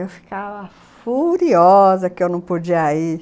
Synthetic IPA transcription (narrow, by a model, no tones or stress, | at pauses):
ewfi̥kavɐ | fuɾiɔzɐkɪewnɐ̃w̃pod͡ʒiɐi